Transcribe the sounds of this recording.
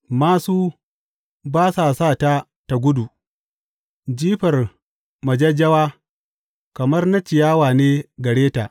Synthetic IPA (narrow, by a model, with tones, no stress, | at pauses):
maː˨suː˦ | baː˦saː˨saː˦˨ta˦ | ta˨ɡʷʊ˦du˨ | d͡ʒiː˦ɸɐ˨r | mɐ˨d͡ʒɐ˦d͡ʒɐ˦waː˦ | kɐ˨mɐ˦rnɐ˦t͡ʃɪ˨jaː˦waː˨neː˦ɡɐ˨ɽeː˦taː˨ʔ